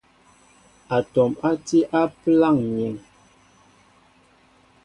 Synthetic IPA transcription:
a˨tɔ˨ma˦ti˦ʔa˦pla˦˨ŋɲe˨ŋ

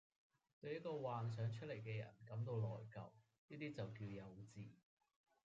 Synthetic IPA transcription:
t̪ɵ˧ɥjɐ˥t̚kɔː˧waː˨ns̬œː˨˥ŋt͡ʃʰɵ˥t̚le˨˩jkɛː˧jɐ̰˨˩nkɐ˨˥mt̪o˧wlɔ̰ː˨˩jkɐ̰˨w | niː˥t̪iː˥t͡sɐ˨wkiː˧wjɐ˨˧wt͡siː˨

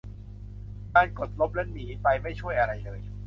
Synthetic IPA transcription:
kaː˧nko˨˩t̪̚lo˦˥p̚lɛ˦˥niː˩˦pa˧jma˥˩jt͡ɕʰu˥˩əjʔa˧ɾa˧jlɤː˧j

